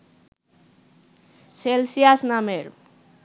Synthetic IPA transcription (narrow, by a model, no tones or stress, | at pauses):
selsiasnameɾ